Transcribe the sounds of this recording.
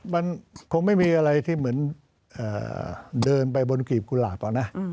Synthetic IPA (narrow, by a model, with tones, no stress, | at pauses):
ma˧nkʰo˧ŋma˥˩jmiː˧ʔa˧ɾa˧jt̪ʰiː˥˩mɯ˩˦ən | ʔa̰ː˨˩dɤː˧np̬a˧jbo˧nkiː˨˩p̚ku˧la̰ː˨˩t̚pɔː˨˩na˦˥ʔ